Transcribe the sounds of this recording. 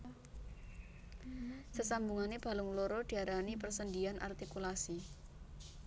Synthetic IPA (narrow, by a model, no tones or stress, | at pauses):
səsambuŋaneb̥a̤lʊŋloɾɔd̪̥i̤aɾanipərsənd̪ianʔa̰rt̪ikulasi